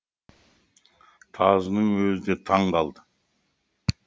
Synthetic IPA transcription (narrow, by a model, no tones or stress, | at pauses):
t̪ʰɑzənəɴwɵzɪd̪et̪ʰɑɴqɑlˠd̪ə